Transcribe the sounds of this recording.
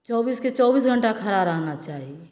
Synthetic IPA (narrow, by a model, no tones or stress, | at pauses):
t͡ʃɔːbiːsket͡ʃɔːbiːsɡʱə̃ɳʈakʰəɾaɾəɦnat͡ʃaːɦie